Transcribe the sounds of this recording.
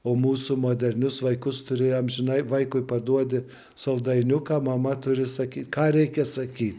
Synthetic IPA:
oːmuːsʊmoːd̪ʲɛrʲnʲʊsʋɐɪkʊst̪ʊɾʲeːjoːmʒʲɪnɐɪʋɐɪkʊɪpɐd̪uɔd̪ʲɪ | sɐʊd̪ɐɪnʲʊkɑːmɐmɐt̪ʊɾʲɪsɐkʲiːt̪ʲkɑːɾʲɛɪkʲɛsɐkʲiːt̪ʲ

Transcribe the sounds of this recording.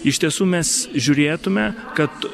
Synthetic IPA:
ɪʃt̪ʲiɛsuːmʲɛsʒʲʊːɾʲeːt̪ʊmʲɛkɐt̪

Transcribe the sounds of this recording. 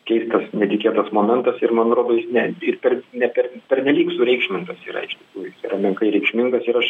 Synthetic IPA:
kʲɛɪst̪ɐsnʲɛt̪ʲɪkʲeːt̪ɐsmoːmʲɛnt̪ɐsɪɾmɐnɐt̪ɾoːd̪oːjɪsnʲɛɪɾpʲɛrnʲɛpʲɛɾpʲɛrʲnʲɛlʲiːksʊɾʲɛɪkʃʲmʲɪŋt̪ɐsiːɾɐ̰ɪʃt̪ʲɪ̥kuːjʊjɪsiɾɐmʲɛŋkɐɪɾʲɛɪkʃʲmʲɪŋɡɐsɪɾɐʃ

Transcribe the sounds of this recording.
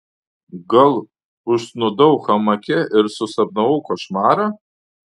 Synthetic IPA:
ɡɨlˠ | ʊʃsnʊdowχamɐkʲʰɪɪrsʊsab̚nɐwukʷaʃmaːɾa

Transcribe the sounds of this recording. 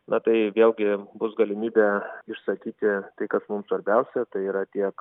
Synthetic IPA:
nɐt̪ɐɪʋʲeːlʲˠɡʲɪbʊsɡɐlʲɪmʲiːbʲɛɪʃsɐkʲiːt̪ʲɪt̪ɐɪkɐsmʊmsʋɐɾʲbʲɛʊsʲɛt̪ɐɪiːɾɐt̪ʲiɛk

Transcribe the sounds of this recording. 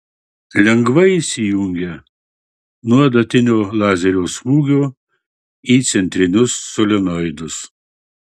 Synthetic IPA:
lʲɛŋɡʋɐiˑsʲɪjʊŋʲɡʲɛ | nuɔd̪ɐt̪ʲɪnʲoːlˠɑːzʲɛɾʲoːsmuːɡʲoː | iːt̪sʲɛnʲt̪ʲɾʲɪnʲʊsːolʲɛnɔɪd̪ʊs

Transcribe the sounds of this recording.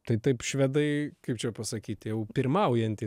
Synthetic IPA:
t̪ɐɪt̪ɐɪpʃʲʋʲɛd̪ɐɪkɐɪpt͡ʃʲɛpɐsɐkʲiːt̪ʲjɛʊpʲɪrmɐʊjɛnʲt̪ʲɪ

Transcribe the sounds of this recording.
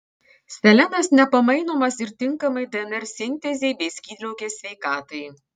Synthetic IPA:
sʲt̪ʲɛlʲɛnɐsnʲɛpɐmɐɪnoːmɐsɪɾt̪ʲɪŋkɐmɐɪd̪ɛnʲɛɾʲsʲɪnʲt̪ʲɛzʲeɪbʲeɪsʲkʲiːd̪ʲlʲɛʊkʲeːsʲʋʲɛɪkɑːt̪ɐj

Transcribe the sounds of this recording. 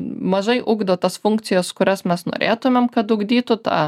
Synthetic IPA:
mɐʒɐɪʔʊɡd̪ot̪ɐsfʊŋk̚t̪sʲɪjɛskʊɾʲɛsmʲɛsno̰ːɾʲḛːt̪ʊmʲɛmkɐt̪ʊɡd̪ʲiːt̪ʊt̪ɑː

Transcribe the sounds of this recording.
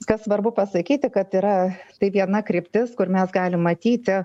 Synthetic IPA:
kɐssʋɐrbʊpɐsɐkʲiːt̪ʲɪkɐt̪iɾɐt̪ɐɪʋʲiɛnɐkɾʲɪpʲt̪ʲɪskʊrmʲɛsɡɑːlʲɪmːɐt̪ʲiːt̪ʲɪ

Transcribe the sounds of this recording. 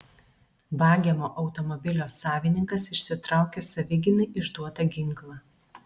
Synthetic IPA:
bɑːɡʲemoːʔɒʊt̪ɔmɔbʲɪlʲoːsːɑːʋʲɪnʲɪŋkɐsɪʃʲsʲɪt̪ɾɑˑʊkʲeːsɐʋʲɪɡʲɪnɐɪʔɪʒd̪uɔt̪ɐɡʲɪŋklˠɑː

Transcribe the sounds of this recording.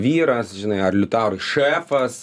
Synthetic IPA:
ʋʲiːɾɐsʒʲɪnɐɪɐrlʲʊt̪ɑːɾʊʃæːfɐs

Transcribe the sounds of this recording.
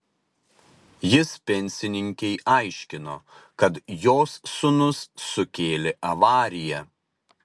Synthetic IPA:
jɪspʲɛnʲsʲɪnʲɪŋʲkʲɛɪʔɐɪʃʲkʲɪnoːkɐt̪joːsːʊnʊsːʊkʲeːlʲɪʔɐʋɑːɾʲɪjɛ

